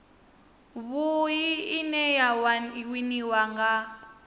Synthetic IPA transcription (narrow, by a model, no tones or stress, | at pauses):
βujiːnɛjawiniwaŋɡa